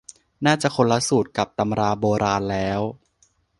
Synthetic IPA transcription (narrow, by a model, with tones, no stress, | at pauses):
naː˥˩t͡ɕa˨˩kʰo˧nla˦˥suː˨˩t̪̚ka˨˩p̚t̪a˧mɾaː˧boː˧ɾaː˧nlɛː˦˥w